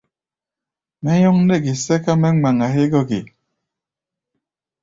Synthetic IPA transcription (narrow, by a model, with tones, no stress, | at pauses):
mɛ˦jɔ˦ŋ˦ne˦˨ki˨sɛ˦ka˦mɛ˦ŋ͡ma˨ŋa˨ɦe˦ɡɔ˦kḭ˨